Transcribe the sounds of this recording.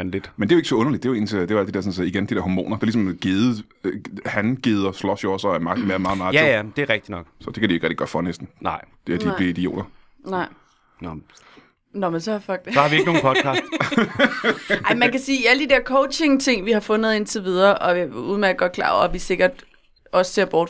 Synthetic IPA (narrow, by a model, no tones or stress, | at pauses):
nlid̥mende̝joeɡ̥sɒ̽ɔ̽nɐlid̥d̥e̝jɑe̝̰nt͡sʰed̥e̝ʋɑæl̰d̥i̥deɐsɔ̽nsɒiɡ̥end̥id̥eɐhɒmo̰ːnɐd̥e̝ɐlis̬meɡ̥eːðˠ | hænɡ̥eːð̞ˠɐslɒ̽sjoɒ̽sɒæmɑ̥n̩meɐmɑ̈ːð̩mɑ̈ːt͡seæd̥e̝æʁɛɡ̥̚d̥inɒɡ̥sɒ̽d̥e̝kʰæd̥ioe̝ɡʁɛ̰ɪ̥ɡd̥i̥ɶɐd̥fɒnesd̥n̩nɑɪ̰d̥eæd̥iliid̥io̰ːd̥ɐ | nɑ̈ɪ̰ | nɒmensɒfɒɡ̥̚d̥esɒhɑ̈ʋieɡno̝ːnpʰɒd̥kʰɑ̈ːd̥ | ɑ̈ɪmænnkʰæsiːiæləd̥ideɐkʰɔʊɕe̝ŋt͡sʰe̝ŋ̰ʋihɑ̈fɔ̽nəð̩ˠe̝nt͡sʰe̝ʋið̞ˠɐːʔɒ̽uːð̞̩ˠmeæɡ̥ɒɐ̥kʰlɑ̰̈ːɒ̰æʋise̝ɡ̥ɐd̥ | ɒ̽sse̝ɐ̰b̥ɒːd̥